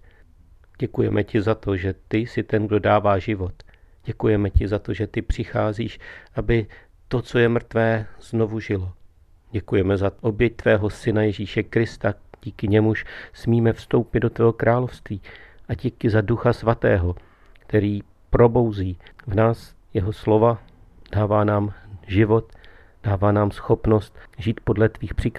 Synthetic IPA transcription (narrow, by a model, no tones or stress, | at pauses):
ɟ̥ɛkujɛmɛcɪzat̪oʒɛt̪ɪsɪt̪ɛnɡdo̞daːvaːʒɪvo̞t̪ | ɟ̥ɛkujɛmɛcɪzat̪o̞ʒɛt̪ɪpr̥ɪxaːziːʃʔabɪ | t̪o̞t͡so̞jɛmr̩t̪vɛːz̥no̞vuʒɪlo̞ | ɟɛkujɛmɛzaʔobjɛc̚t̪vɛːɦo̞sɪnajɛʒiːʃɛkɾɪst̪aɟ̥iːkɪɲɛmuʃsmiːmɛfst̪o̞wpɪd̪do̞t̪vɛːɦokɾʔaːlo̞fst̪viːʔaɟikɪzaduxasvat̪ɛːɦo̞ | kt̪ɛɾiː | pɾo̞bo̞wziːvnaːs | jɛɦoslo̞va | d̥aːvaːnaːmʒɪvo̞t̪ | d̥aːvaːnaːmsxo̞pno̞st̪ʒiːt̪po̞dlɛt̪viːxpr̥ɪk